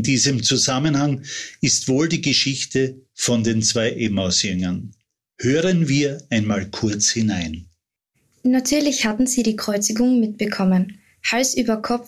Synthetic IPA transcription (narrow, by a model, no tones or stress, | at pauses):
ndiːzəmt͡suzamənhaŋɪstv̥oːldiːɡəʃɪçtʰəfɔndeːnt͡sv̥aɪʔemaʊsjʏŋɐn | høːʁənviːɐaɪnmaːlkʰʊɐt͡shɪnaɪn | natʰyːɐlɪçhatn̩ziːɾiːkʁ̥ɔʏt͡sɪɡʊŋmɪt̚b̥əkʰɔmən | halsʔyːbɐkʰɔp͡f